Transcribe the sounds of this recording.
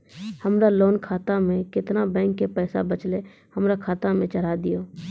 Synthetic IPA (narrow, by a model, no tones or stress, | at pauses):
həmɾaloːnkʰaːt̪amẽkɪt̪nabɛ̃ːŋkːepɛːsa̰bət͡ʃle | həmɾakʰaːt̪amẽt͡ʃəɾad̪ɪjoː